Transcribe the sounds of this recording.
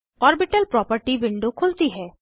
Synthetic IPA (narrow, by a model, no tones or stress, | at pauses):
ɔɾbiʈalpɾɔpəɾʈibiɳɖokʰult̪iɦɛ